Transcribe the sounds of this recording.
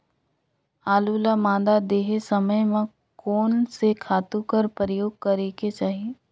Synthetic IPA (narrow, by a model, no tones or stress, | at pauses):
aːluːlamãːd̪ad̪eːɦesəməjmẽ | koːnsekʰaːt̪ũkəɾpəɾəjoːɡ̚kɐɾeːket͡ʃaːɦiː